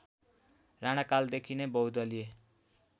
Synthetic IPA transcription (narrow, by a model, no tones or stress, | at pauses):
raɽ̃akald̪ekʰinebʌwd̪ʌlie